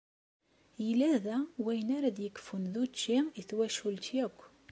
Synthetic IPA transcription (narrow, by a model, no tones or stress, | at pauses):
jəlæðæwæjənaɾæðjəkːfunðut͡ʃːiiθwæʃult̪jækʷː